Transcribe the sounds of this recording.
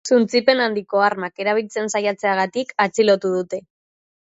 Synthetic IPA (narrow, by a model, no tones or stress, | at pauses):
sunt͡sipe̞nand̪iko̞aɾmake̞ɾaβ̞ilt͡se̞nsajat͡se̞aɣat̪ikat͡silo̞t̪uð̞ut̪e̞